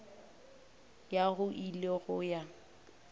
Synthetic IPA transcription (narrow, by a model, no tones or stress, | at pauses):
jaɣʊʔileɣʊja